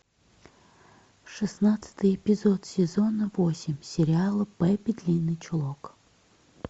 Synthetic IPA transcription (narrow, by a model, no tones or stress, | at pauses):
ʂɨsnat̪sɨ̥t̪ɨjɪpʲɪzot̪sʲɪzonəvosʲɪmʲsʲɪɾʲɪalˠəpɛbʲɪd̪ʲlʲinːɨt͡ʃʊlˠok